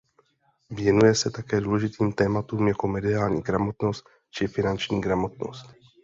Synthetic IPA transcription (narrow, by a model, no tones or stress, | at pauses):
vjɛnujɛsɛt̪akɛːduːlɛʒɪt̪iːmt̪ɛːmat̪uːmjako̞mɛdɪaːlɲiːɡɾamo̞t̪no̞st̪̚ | t͡ʃɪfɪnant͡ʃɲiːɡɾamo̞t̪no̞̰st̪